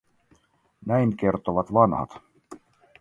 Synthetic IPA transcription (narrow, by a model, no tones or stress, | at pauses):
næjŋk̟e̞rt̪oʋɑt̪ʋɑnhɑ̰t̪